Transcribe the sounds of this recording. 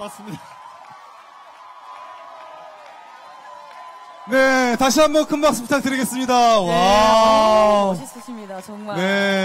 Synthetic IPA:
s͈ | ne̞taɕʰiɦambʌnkʰɯnmak̚s͈ɯmtʰak̚t͈ɯɾiɡes͈ɯmɲidawa | ne

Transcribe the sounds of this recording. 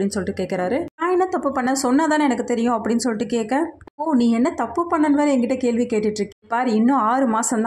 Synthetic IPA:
ɽɪnːɯsɔlːɪʈːɯkeːʈkːɪɾaːɾɯnãːɛnːɐt̪ɐpːɯpːɐɳːɐ̃sɔnːɐt̪ãːɛnɐkːɯt̪ɛɾɪjʊ̃ɐpːɐɽɪnːɯsɔlːɪʈːɯkeːkːɐ̃pːoːnĩːɛnːɐt̪ɐpːɯpɐɳːɐnʋɐːɾɐɛŋɡɪʈːɐkeːlʋikeːʈːɪʈːɾɯkːɯ̃paːɾɪnːʊ̃aːɾɯmaːsɐmd̪ã

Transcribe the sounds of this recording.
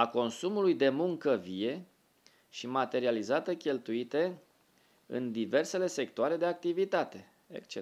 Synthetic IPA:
ako̞nsumulujd̪e̞muŋkəvie̞ | ʃimat̪e̞ɾializat̪əkʲe̞lt̪uit̪e̞ | ɨ̰nd̪ive̞rse̞le̞se̞kt̪oaɾe̞d̪e̞ak̚t̪ivit̪at̪e̞ | ḛkt͡ʃe

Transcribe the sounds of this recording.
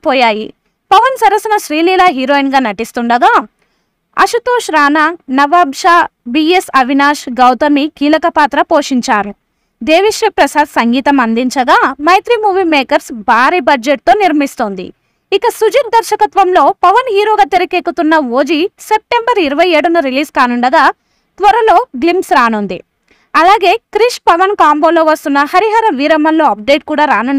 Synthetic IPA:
pɔːjaːjḭ | pɐʋɐnsɐɾɐsɐnɐʃɾiːliːlaːɦiːɾoːinɡaːnɐʈist̪uɳɖɐɡaː | ɐ̰ʃut̪oːʂɾaːnaːnɐʋaːbʃaːbiːesɐʋinaːʃɡɐwt̪ɐmikiːlɐkɐpaːt̪ɾɐpoːʂiɲt͡ʃaːɾu | d̪eːʋiʂʋɐpɾɐsaːd̪sɐŋɡiːt̪ɐmɐnd̪iɲt͡ʃɐɡaːmɐjt̪ɾimuːʋiːmeːkɐɾsbaːɾiːbɐd͡ʒeʈ̚t̪o̞ːniɾmist̪oːnd̪ḭ | ikɐsud͡ʒit̪̚d̪ɐɾʃɐkɐt̪ʋɐmlo̞ːpɐʋɐnɦiːɾoːɡaːt̪eɾɐkeːkut̪unːɐʋoːd͡ʒise̞p̚ʈe̞mbɐɾiɾɐʋɐje̞ːɽunɐɾiliːskaːnuɳɖɐɡaː | t̪ʋɐɾɐlo̞ːɡlimsɾaːnund̪ḭ | ɐlaːɡe̞ːkɾiʂpɐʋɐnkaːmboːloːʋɐst̪unːɐhɐɾiɦɐɾɐʋiːɾɐmɐnloːɐp̚ɖeːʈ̚kuːɽaːɾaːnuɳːɖɐ

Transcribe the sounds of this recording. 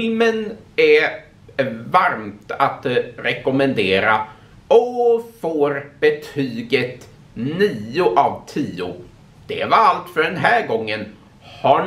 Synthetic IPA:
lmənæ | vaɾmt̪at̪ɾɛkʊmɛnd̪eːɾa | ɔfoːɾbɛt̪ʰyːɡət̪ | niːʊʔavt̪ʰiːʊ | d̪̥ɛvaɾalt̪fœɖɛnɦæːɾɡɔŋːən | ha

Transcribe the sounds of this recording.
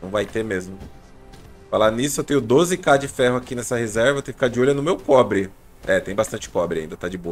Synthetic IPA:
ɐ̃w̃vajt̪emezmʊ | falanisʊewt̪ẽɲʊd̪ozɪkad͡ʒɪfɛɦʊakinɛsɐhezɛɾvɐewt̪ẽjkfkad͡ʒɪoʎɐnʊmewkɔbɾɪ | ɛt̪ẽj̃bast̪ɐ̃nt͡ʃɪ̥kɔbɾɪaĩd̪ɐt̪ad͡ʒɪbo

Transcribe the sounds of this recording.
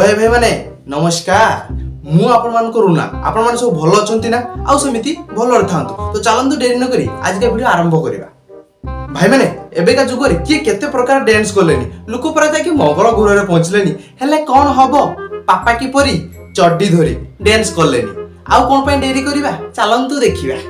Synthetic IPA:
ɔebʱajmane | nɔmɔskaɾmũapɔɽ̃ɔmanɔ̃ŋkɔɾuna̰a̰pɔɽ̃ɔmañsɔbubʱɔlɔːt͡ʃʰɔnt̪inaa̰wsɔmit̪ibʱɔlɔɔɽt̪ʰant̪ut̪ot͡ʃalɔnt̪̬uɖeɾinɔkɔɾḭa̰d͡ʒikabʱiɽɔaɾɔmbʱɔkɔɾḭba̰ | bʱajmaneebekad͡ʒuɡɔɾekieket̪epɾɔkaɾɔɖenskɔlenḭlokɔpɔɾat̪akimɔɡɔɾɔɡʱuɾɔɾepɔɦɔ̃t͡ʃilenihelekɔɽ̃ɔɦɔbɔpapakipɔɾi | t͡ʃɔɖid̪ʱɔɾḭɖenskɔlḛnḭ | a̰wkɔɽ̃ɔpaĩɖeɾikɔɾibat͡ʃalɔnt̪ɔd̪ekʰiba̰

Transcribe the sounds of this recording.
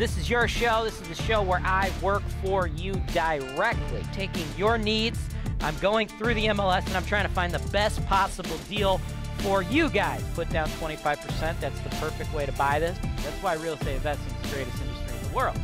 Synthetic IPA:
ðɪsɨzjə˞ʃoʊðɪsɨzɨʃoʊwə˞ʔaɪwɜ˞kfə˞jɨdəɪɹɛk̚tʰˡlḭtʰeɪkɪ̃ŋjə˞nidzʔã̰ɪ̃mɡoʊɪ̃ŋθɹʉðiɛ̃mɛlˠɛsɨ̃nãɪ̃mtʰɹ̥aɪɪ̃ŋtəfãɪ̃nðəbɛspʰɑsəbl̩ˠdilˠ | fə˞jɨɡaɪz̥tʰpʰʊt̚d̥ãʊ̃ntʰw̥ɛ̃ɾ̃ifaɪv̥pʰə˞sɛ̃nðætsðəpʰɜ˞fɨk̚t̚weɪɾɨbaɪðɪsðætswaɪɹɪlˠiseɪɨ̃vɛstsɨ̃nðəsɡ̥ɹeɪɾɨstɪ̃ndɨstɹ̥iʌvðəwɜ˞lˠd̥̚

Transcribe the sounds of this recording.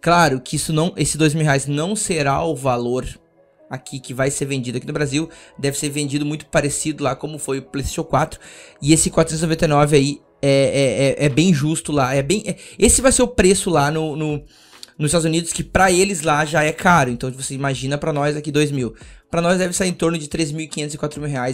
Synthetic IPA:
klaɾʊkɪisʊnɐ̃w̃ʔesɪ̥d̪ojzmiwheajznɐ̃w̃seɾaʊvaloɾ | akʰikɪvajseɾvẽnd͡ʒid̪ʊakinʊbɾaziwd̪ɛvɪseɾvẽnd͡ʒid̪ʊmũj̃t̪ʊ̥paɾesid̪ʊlakõmʊfojʊplejst̪eʃowkwat̪ɾʊɪesɪkwat̪ɾʊsẽt̪znovẽt̪ejnɔvɪai | ɛɛɛʔɛbẽj̃ʒust̪ʊlaɛbẽj̃ɛesɪvajseʊpɾesʊlanʊnʊ | nʊzist̪ad̪zunid̪ʊskɪpɾɐelɪzlaʒaɛkʰaɾʊẽnt̪ɐ̃w̃voseimaʒĩnɐpɾɐnɔzakid̪ojzmiwpɾɐnɔzd̪ɛvɪsaiɾẽt̪oɾnʊd͡ʒɪt̪ɾezmiwɪkiɲẽt̪ʊzɪkwat̪ɾʊmiwɦeaj

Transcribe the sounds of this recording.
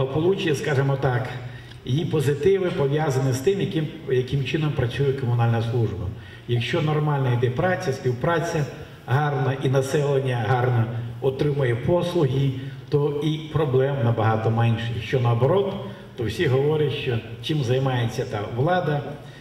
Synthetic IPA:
ɦɔpɔlˠut͡ʃɪjɛskɑʒemɔt̪ɑk | jipɔzɪt̪ɪʋɪpɔʋʲjazɐnɪst̪ɪmjɐkɪm | jɐkɪmt͡ʃɪnɔmpɾɐt͡ssʲujɛkɔmʊnɑlʲnɐslˠuʒbɐ | jɐkʃt͡ʃɔnɔrmɑlʲnɐid̪ɛpɾɑt͡sʲɐsʲpʲiwpɾɑt͡sʲɐ | ɦɑrnɐʔinɐsɛlˠenʲːɐɦɑrnɐɔt̪ɾɪmɐjɛpɔslˠʊɦʲit̪ɔipɾɔblˠɛmnɐbɐɦɑt̪ɔmɛnʲʃɛjɐkʃt͡ʃɔnɐːbɔɾɔt̪ː | ɔwsʲiɦɔʋɔɾʲɐtʲʃt͡ʃɔt͡ʃɪmzɐjmɑjet͡sʲːɐt̪ɑʋlˠɑd̪ɐ

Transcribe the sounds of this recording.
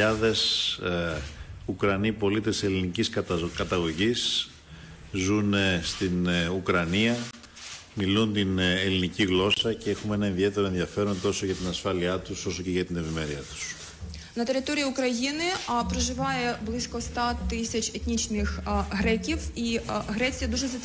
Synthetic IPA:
ɐðe̞s | ukɾɐnipo̞lit̪e̞se̞liniciskɐkɐt̪ɐɣo̞ʝis | zunst̪inukɾɐniɐ | milunt̪ineliniciɣlo̞sɐcexumee̞nɐe̞nðie̞t̪e̞ɾo̞e̞nðjɐfe̞ɾo̞nt̪o̞so̞ʝɐt̪inɐsfɐliɐt̪uso̞soce̞ʝɐt̪ine̞vime̞ɾiɐt̪u̥s | nɐt̪e̞ɾɪt̪o̞ɾʲijiukɾɐjinɪpɾoʒɪʋɐjeblˠɪsʲkɔst̪ɐt̪ɪsʲɐt͡ʃet̪nʲit͡ʃnɪxɣɾɛkʲiwiɣɾɛt͡sʲijɐd̪uʒezɐ

